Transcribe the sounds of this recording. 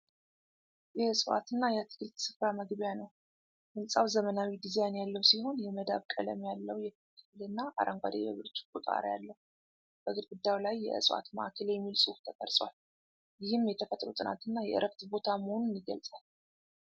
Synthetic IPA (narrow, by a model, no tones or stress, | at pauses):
jɛɨsʼwa̰t̪ɨnːajɛat̪ʰi̥kʰɨlt̪ʰɨ̥sɨfɾaməɡbjanəw | mɨlsʼawzəmənawid̪izajnjalːəwsiho̞njɛməd̪aβkʼə̰lə̰mjalːəwjɛ | kʰɨkɨlɨnːaʔa̰ɾʔəŋɡʷa̰d̪ḛjə̰βɨɾt͡ʃʼːkʼut̪ʼa̰ɾja̰lːəhu | b̥əɡɨd̪ɡud̪ːawlajːɛ̰ʔɨ̰sʼwa̰t̪ma̰ʔakʰəljɛmːilsʼuuft̪ʰəkʰəɾsʼwa̰l | jɪhɨmjɛt̪ʰəfət̪ʼɾut̪ʼɨna̰t̪ɨnːajɛ̰ʔɨ̰ɾʔəft̪bo̞t̪ʰaməho̞nuniɡəlsʼal